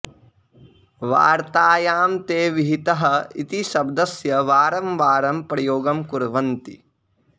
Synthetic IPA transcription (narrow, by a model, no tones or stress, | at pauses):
ʋa̰ːɾt̪aːjaːmt̪eːʋiɦit̪ɐɦɐit̪iʃɐbd̪ɐsjɐʋaːɾɐmʋaːɾɐmpɾɐjoːɡɐmkuɾʋɐnt̪ḭ